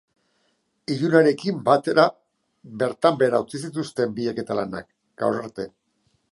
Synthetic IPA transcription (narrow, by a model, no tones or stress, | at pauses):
iʎunaɾe̞kimbat̪e̞ɾa | be̞ɾt̪ambeɾawt͡sis̬it̪ust̪e̞mbieke̞t̪alana̰k | ɡa̰wsaɾt̪e̞